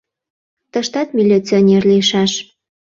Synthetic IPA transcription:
t̪əʃt̪ɑt̪milʲit͡sionʲerliʃɑʃ

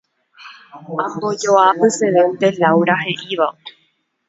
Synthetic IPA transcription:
ahod͡ʒoapɨseðẽnd̪elawɾaɦe̞ʔiʋa

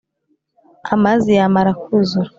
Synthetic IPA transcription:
amazijamaɾakuzuɾ

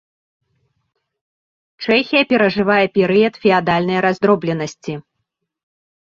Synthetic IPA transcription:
t͡ʂɛxʲijɐpʲɛɾɐʐɨvajɛpʲɛɾɨjɐt̪fʲɛad̪alʲnɐjɾazd̪ɾɔblʲɛnɐsʲt͡sʲi

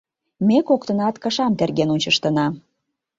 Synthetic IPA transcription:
mekokt̪ə̆nɑt̪kɑʃɑmt̪erɣenunʲt͡ɕə̆ʃt̪ə̆nɑ

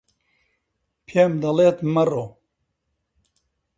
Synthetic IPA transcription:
pʰemd̪ɐleːt̪mɐroː

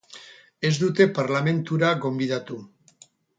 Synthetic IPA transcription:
e̞zd̪ut̪e̞paɾlame̞nt̪uɾaɣo̞mbið̞at̪u

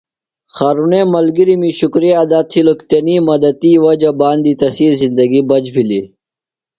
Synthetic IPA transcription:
xaːɾunemɐlɡiɾimiɕukɾijad̪at̪ʰilokt̪enimɐd̪ɐt̪iwɐd͡ʑɐbaːnd̪it̪ɐsiːlzind̪ɐɡibɐd͡ʑbili

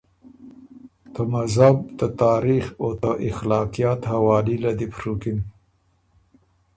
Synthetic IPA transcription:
t̪əmazabt̪ət̪ɑːɾixot̪əʔɪxlɑːqijɑt̪hawɑːlilad̪ipɾukin

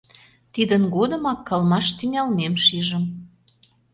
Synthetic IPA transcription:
t̪id̪ənɡod̪ə̆mɑkːɑlmɑʃt̪yŋʲɑlmemʃiʒə̆m

